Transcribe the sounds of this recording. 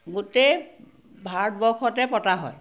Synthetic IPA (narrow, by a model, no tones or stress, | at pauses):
ɡutej | bʱaɹt̚bɔxʰɔtɛpɔtaɦɔ̰j